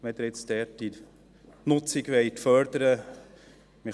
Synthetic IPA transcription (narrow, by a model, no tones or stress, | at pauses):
ʋɛd̪əɾɪt͡stɛti | nʊt͡sɪɡʋɛɪtfœɾd̪əɾə | mɪ